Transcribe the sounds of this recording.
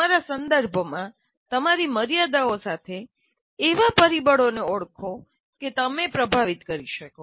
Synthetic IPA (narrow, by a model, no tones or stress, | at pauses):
aɾasənd̪əɾbʱmã | t̪əmaɾiməɾijad̪aosat̪ʰeː | ʋapəɾibəɽoneoɽkʰo | ket̪əmepɾəbʱaʋit̪kəɾiʃəko